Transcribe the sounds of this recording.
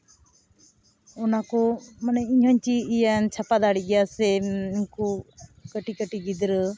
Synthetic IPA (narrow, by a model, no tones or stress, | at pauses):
ɔnakɔmanɛiɲɦɔɲt͡ʃiːjant͡ʃʰapad̪aɽiɡɛjasɛinkɔkəʈikəʈiɡid̪ɾə